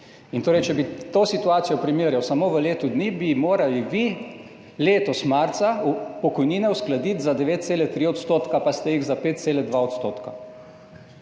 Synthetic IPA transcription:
int̪oːɾɛjt͡ʃɛbit̪oːsit̪uaːt̪sijɔpɾimeɾjawsamoːʋəleːt̪ud̪niːbimoːɾaliʋi | leːt̪ɔsmaɾt̪saupɔkɔjniːnɛusklad̪it̪zad̪ɛʋeːt̪̚t̪seːlɛt̪ɾiːɔt̪st̪oːt̪kapast̪ɛjiɣzapeːt̪̚t̪seːlɛd̪ʋaɔt̪st̪oːt̪ka

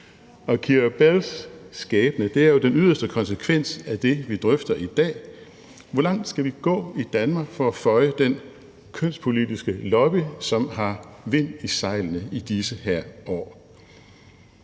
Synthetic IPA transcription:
ɒ̽kʰiɒb̥elsːɡ̥ɛːb̥ənəd̥e̝æɐjo̝d̥enyð̞̰ˠɐsd̥əkʰɒ̽nsəkʰʋen̰sæd̥e̝ʋid̥ʁœfd̥ɐʔid̥ɛ̰ː | ʋɒlɑ̈ŋ̰d̥sɡ̥æʋiɡ̥ɔ̰̽ːid̥ænmɑ̈ːɡ̥fɒ̽æfɒ̽ɪəd̥en | kʰøn̰spʰo̝lidisɡ̥əlɒ̽b̥isɒ̽mɦɑ̈ʋe̝n̰isɑ̈ɪlənəid̥isəhæɐ̰ɒ̰ː

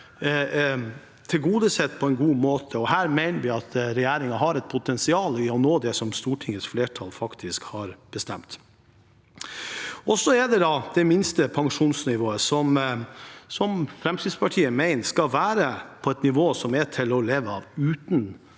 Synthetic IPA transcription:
t̪ʰɪlɡuːd̪əsɛt̪ːpʰɔɛnɡuːmoːt̪ʰəɔhæːɾmæɪnəʋɪɑt̪ɾɛjæːɾɪŋɑɦɑɾɛt̪̚pʰʊt̪ʰɛnsɪɑːlɪɔnoːd̪ɛsɔmst̪uːʈʰɪŋət̪sfleːʈʰɑlfɑkt̪ʰɪskhɑɾb̥əst̪ɛ̰mt̪ | ɔsɔɛd̪ɛd̪ɑd̪̥ɛmɪnst̪əpʰɑŋʂuːnsnɪʋoːəsɔm | sɔmfɾɛmt̪ʰiːd̪spʰɑʈʰiːəmæɪnskɑlʋæːɾəpʰɔɛt̪nɪʋoːsɔmɛtʰɪlɔleːʋəɑːʋʉːt̪n̩

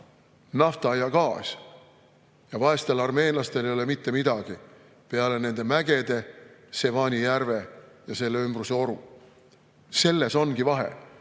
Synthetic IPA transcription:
nɑft̪ɑɑjɑkɑːs | jɑvɑe̞st̪e̞lɑrme̞ːnlɑst̪e̞lejo̞lemit̪ːe̞mid̪ɑɡ̥i | pe̞ɑle̞ne̞nd̪e̞mæɡe̞d̪̥e̞se̞vɑːnʲijærve̞jɑse̞lːeymbruse̞o̞ɾu | se̞lːe̞so̞nɡ̥ivɑɦḛ

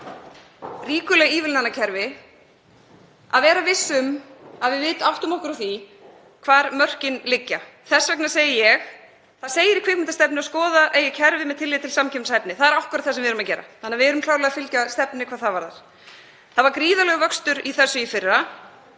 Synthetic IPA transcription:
riːkʏlɛɣiːvɪlnanːacʰɛɾvɪ | a̰ðvɛːɾavɪsːʏmaðvɪðvɪːt̪ʏawht̪ʏmɔhkʏɾaθi | kʰvaːɾmœr̥cɪnlɪcːa | θɛsːvɛk̚naɾseːjɪjɛx | θaðseːjɪɾikʰvɪkmɪnt̪ast̪ɛp̚nɪaskɔːðaʔeːjɪcʰɛɾvɪmɛðt̪ʰɪlːiːɪt̪ʰɪlsamcʰɛmnsajpnɪθaðɛɾahkʏɾat̪θɛasɛmvɪɾʏmacɛːɾa̰θanːavɪɛɾʏmkʰlaːwɾlɛɣafɪlcast̪ɛpnɪkʰaːðθavaɾða̰ɾ̥ | θaðvaɾkɾiːðalɛɣʏvœkst̪ʏɾiθɛsːʏifɪrːa

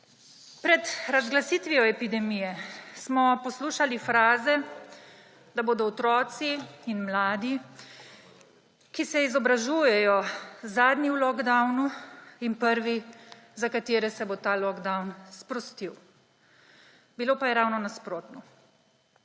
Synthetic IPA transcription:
pɾɛt̪ɾazɡlasiːt̪ʋiɔɛpid̪ɛmijɛsmɔpɔsluːʃalifɾaːzɛ | d̪aboːd̪ɔɔt̪ɾɔːt̪siːnmlaːd̪i | kisɛizɔbɾaʒuːjɛjɔzaːd̪niwlɔɡd̪awnuinpəɾʋi | zakat̪eːɾɛsɛbot̪aːlɔɡd̪awnspɾɔst̪iw | biloːpajɛɾawnɔnaspɾoːt̪nɔ

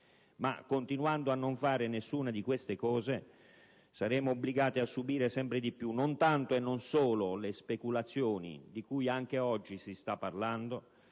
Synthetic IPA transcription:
ma̰kːont̪inwand̪oanːoɱfaːɾɪnesːuːnad̪ikwest̪ekɔːze | saɾɛːmoːbːliɡaːt̪iasːubiːɾesɛmpɾɪd̪ipːjunːont̪ant̪oenːonsoːlolespekulat̪sːjoːnḭd̪ikujaŋk̟eɔd͡ʒːisist̪apːarland̪o

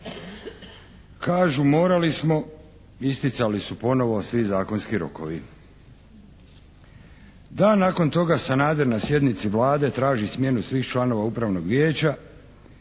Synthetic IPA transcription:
kaːʒumo̞ːɾalismo̞ | ist̪it̪salisupo̞no̞ʋo̞sʋizaːko̞nskiɾo̞̰ko̞ʋi | d̪anaːko̞nt̪o̞ɡasanaːd̪eɾnasje̞d̪nit̪siʋlaːd̪e̞t̪ɾaːʒismje̞nusʋiːxt͡ʃlˠano̞ʋaupɾaʋno̞ɡʋjeːt͡ɕa

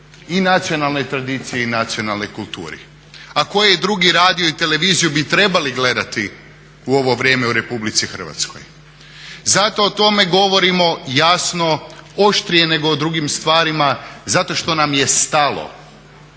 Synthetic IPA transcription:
inat̪sijo̞nalˠno̞jt̪ɾad̪iːt̪sijeinat̪sijo̞nalˠno̞jkulˠt̪ṵːɾḭ | ako̞jed̪ɾuɡiɾaːd̪ijoit̪e̞le̞ʋiːzijubit̪ɾe̞baliɡle̞d̪at̪i | uo̞ʋo̞ʋɾje̞ːmeuɾe̞publit̪sixr̩ʋa̰t̪sko̞̰j | zat̪o̞ːt̪o̞me̞ɡo̞ʋo̞ɾimo̞jasno̞oʃt̪ɾijene̞ɡoːd̪ɾuɡimst̪ʋaːɾimazat̪o̞ʃt̪o̞namjest̪alˠo̰

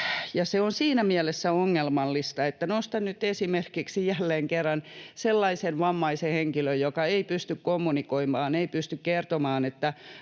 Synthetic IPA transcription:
jɑseonsiːnæmiælesːæoŋːelmɑlːist̪ɑet̪ːænost̪ɑnnyt̪esimerkiksijælːeːŋkerːɑnselːɑisenʋɑmːɑiseheŋkiløjjokɑeipyst̪ykkomːunikoimɑːneipyst̪ykkert̪omɑːnet̪ːæ

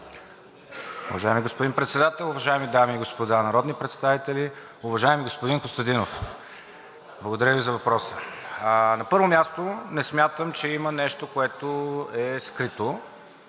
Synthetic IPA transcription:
ʊvɐʒaɛmiɡospod̪inpɾɛt̪sɛd̪at̪ɛlˠʊvɐʒaɛmid̪amiːɡospod̪anɐɾɔd̪nipɾɛt̪st̪avit̪ɛli | ʊvɐʒaɛmiɡospod̪inkost̪ɐd̪inof | blˠɐɡod̪ɐɾəvizɐvɐpɾɔsə | nɐpɤɾvomʲast̪onɛsmʲjat̪əmt͡ʃɛimənɛʃt̪okoɛt̪oɛskɾit̪o

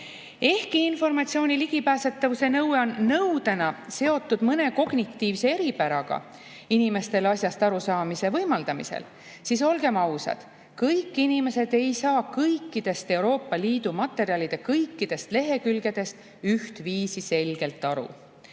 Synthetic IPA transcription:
e̞hkiinfo̞rmɑt̪sio̞ːnʲiliɡ̥ipæːse̞t̪ːˑɑvuse̞nɤweonːɤwd̪̥enɑse̞o̞t̪ːˑud̪̥mɤne̞ko̞ɡ̥nikt̪ːiːvse̞e̞ɾipæɾɑɡ̥ɑ̰ | inime̞st̪e̞lɑsjɑst̪ɑɾusɑːmise̞vɤjmɑld̪ɑmḭsḛl | siso̞lɡ̥e̞mɑwsɑ̰d̪̥ | kɤjkːinime̞se̞d̪̥e̞jsɑːkɤjkːˑid̪̥e̞st̪e̞wɾo̞ːpːɑliːd̪̥umɑt̪ːˑe̞ɾiɑlid̪̥ekɤjkːid̪̥e̞st̪le̞ɦe̞kylɡe̞d̪̥e̞st̪ | yht̪viːsise̞lɡ̥e̞lt̪ːˑɑɾṵ

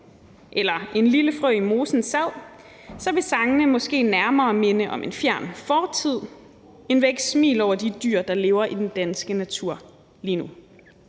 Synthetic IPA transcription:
ʔelɐʔe̝nliləfʁœːimo̝ːsn̩sæð̰ˠ | sɒ̽ʋe̝sɑ̈ŋənəmɒ̽sɡ̥e̝̰ːnæɐmɐːme̝nəʔɒ̽me̝nfjæɐ̰nfɒːt͡sʰið̞̰ˠ | e̝nʋeɡ̥smḭːlɒʊ̰ɐdid̥y̰ɐ̰d̥ɑ̈le̝ːʊɐʔid̥end̥ænsɡ̥ənæt͡sʰuɐ̰ | liːnu

